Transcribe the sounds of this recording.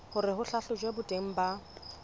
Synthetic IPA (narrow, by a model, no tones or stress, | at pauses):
hʊrɪɦʊɬaɬʊd͡ʒwebʊtʼeŋ̩ba